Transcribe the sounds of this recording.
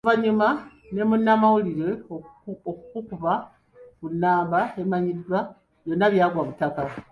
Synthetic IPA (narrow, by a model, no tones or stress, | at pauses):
uvaɲuma | ne̞munːamawuliɾe̞ookukukuβa | kunːaːmbae̞maɲidwa | jonːaβjaːɡwaβutaka